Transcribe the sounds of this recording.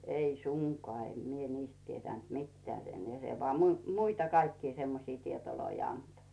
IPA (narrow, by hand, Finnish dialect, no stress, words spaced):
ei suŋkoɑˑ em mie niːst tietæˑnt mitːĕæˑ sen jɑ se ʋoɑˑ mui muitɑ kɑikːiː semːosiː tietoloi ɑnto